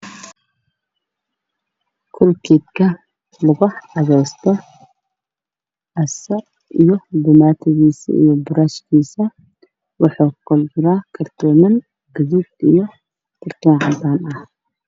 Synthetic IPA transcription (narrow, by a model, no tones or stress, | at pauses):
kʰʊlkʰiːd̪kʰɐ | lʊɣʊʕɑðɛjst̪ʰɔ | ʕɐsɐ | ijɔbʊmaːt̪ʰɪɣiːsɐ̰ḭjɔbʊɾaʃkʰiːsɐ | wɑħɑːkʰʊld͡ʒʊɾaːkʰɐrt̪ʰɔːmɐn | ɡɐðud̪ijɔ | k̪ʰʊrt̪ʰɔːnʕɑd̪aːnɐh